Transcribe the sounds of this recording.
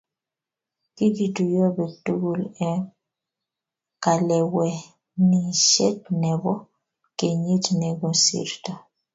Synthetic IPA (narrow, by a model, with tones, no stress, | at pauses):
ki˦ɡi˨tu˨jɔ˦bɛ˨tu˦ɡo˨lɛ˦ | ka˨lɛ˨wɛ˨ | ni˨ʃɛ˦t̚nɛ˨bɔ˦ | ke˨ɲi˦tnɛ˨ɡɔ˨nsḭ˦˨ɾtɔ˨